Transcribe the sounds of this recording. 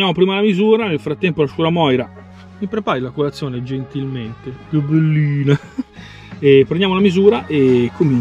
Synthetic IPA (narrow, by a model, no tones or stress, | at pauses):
jaːmopɾiːmalamizuːɾanelfɾat̪ːɛmpolaʃuɾamɔjɾa | mipɾepaːɾilakolat̪sːjoːned͡ʒent̪ilment̪eubelːiːna | epːɾenjaːmolamizuːɾaʔekʰːomi